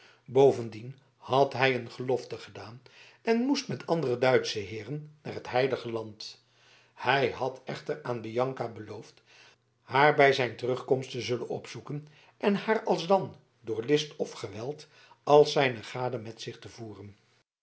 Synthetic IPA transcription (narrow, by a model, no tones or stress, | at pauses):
bowvəndin | hɑtɦɛjənχəlɔftəχədaːn | ɛnmustmɛtʰɑndərədœɥtsəɦɪːrənːaːɹɦətɦɛjləχəlɑnt | hɛjɦɑtʰɛχtəraːnbijɑŋkabəlowft | haːɹbɛjzɛjntərɵχkɔmstəzɵlə̰nɔ̰psukən | ʔɛnhaːɹɑlˠzdɑn | dʊːɹlɪstɔfχəʋɛlˠt | ɑlˠsɛjnəχaːdəmɛtsɪχtəvuːrən